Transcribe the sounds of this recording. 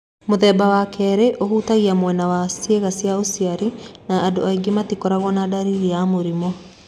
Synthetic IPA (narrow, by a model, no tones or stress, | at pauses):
moðɛbawakʰɛɾeʔohuːtaɣiamwɛnawasjeɣasjaosiaɾinaːdoaiɡimatikɔɾaɣɔnadaɾiɾijamoɾimɔ